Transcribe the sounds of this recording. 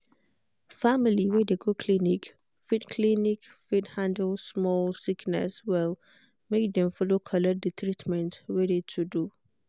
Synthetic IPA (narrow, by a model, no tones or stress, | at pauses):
familiwɛdeɡokʰlinik | fitkʰlinikfithãndəlsmɔlsiknɛ̰swɛl | mek̚dɛ̃mfɔlokʰɔlɛt̚d̪ət̪ʰɹitmɛ̃ntwɛdetʰudu